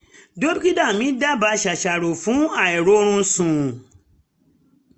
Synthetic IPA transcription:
do˦bi˦ki˦da˦˨mĩ˨˦da˦˨ba˨˧˦ʃa˨ʃa˨ɾo˨fũ˨˦a˦˨ɛ˨ɾo˨˦ɾ̃ũ˦sũ˨

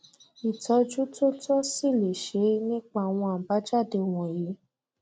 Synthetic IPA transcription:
i˨tɔ˧˦d͡ʒu˦to˦tɔ˦si˦˨le˨ʃe˧˦nĩ˦k͡pa˦˨w̃ɔ̃˧a˨ba˨˦d͡ʒa˦˨de˧˨w̃ɔ̃˨ji˨˦

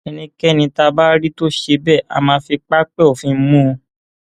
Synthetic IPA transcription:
e˧nĩ˦kɛ˦˨nĩ˧ta˧ba˦ɾi˦to˦ʃe˧bɛ˦˨a̰˨˧mãː˧fi˧k͡pa˦k͡pɛ˦o˨fĩ˧˦mũ˦˧

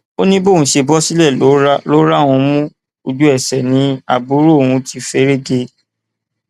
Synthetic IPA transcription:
o˦nĩ˦bo˦˨ũ˧˦ʃe˧bɔ˦si˦lɛ˦˨o˨˦ɾa˦lo˦ɾa˦˨w̃ũ˧mũ˦ | o˧d͡ʒu˦ɛ˦˨sɛ˨nĩ˦a̰˨bu˨˦ɾo˦õ˨ũ˧ti˧fe˦ɾe˦ɡe˧

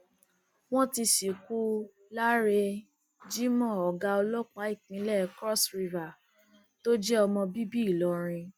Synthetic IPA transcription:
w̃ɔ̃˦ti˧si˨ku˦ | la˦ɾe˧ | d͡ʒi˦mɔ̃˦˨ɔ˨ɡa˧ɔ˧lɔ˦k͡pa˨˦i˦˨k͡pĩ˨˧˦lɛ˦kɾɔ˦sɾi˧va˨ | to˦d͡ʒɛ˦ɔ˧mɔ̃˧bi˦bi˦˨lɔ˨˦ɾ̃ĩ˧

